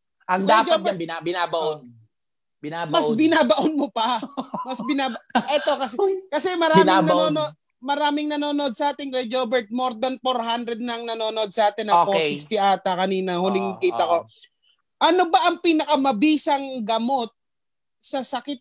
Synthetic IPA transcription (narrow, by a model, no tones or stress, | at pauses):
ʔɐŋd̪ad͡ʒoaɐbɪabɪnaːbɐʔon | bɪnamɐsbɪnaːbɐʔonmopɐmɐsbɪnaːbɐʔɛt̪o̞kɐsɛkɐsɛmɐɾaŋːmanɐnoːnod | mɐɾaːmɪŋnɐnoːnood̪̚sɐʔaːt̪ɪnkojd͡ʒobɛɹt̪̚moɾd̪ɐnfoɾhand̪ɾɛd̪̚nɐŋnɐnoːnoʔod̪̚sɐʔaːt̪ɪnɐposɪkst̪ɪʔaːt̪ɐkɐniːnɐhʊlɪŋkiːɐko̞ | ʔɐnobɐʔɐŋpiːnɐkɐmɐbiːsɐŋɡɐmo̞t̪̚ | sɐsɐkɪt̪̚